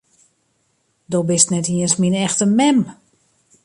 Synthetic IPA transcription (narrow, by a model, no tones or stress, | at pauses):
dobɪstnɛtiənsminɛxtənmɛm